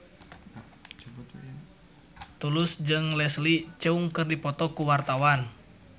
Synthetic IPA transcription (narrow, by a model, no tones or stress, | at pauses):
t̪ulʊsd͡ʒɨŋlɛslit͡ʃəuŋkɨrdipɔt̪ɔkuwart̪awan